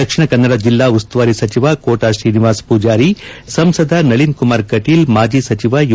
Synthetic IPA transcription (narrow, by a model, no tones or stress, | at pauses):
ɐkʂiɳɐkɐnːɐɽɐd͡ʒilːaːust̪ʋaːɾisɐt͡ʃiʋaːkoːʈaːʃɾiːniʋaːspuːd͡ʒaːɾisɐmsɐd̪ʱanɐɭinkumaːɾkɐʈiːlmaːd͡ʒiːsɐt͡ʃiʋaj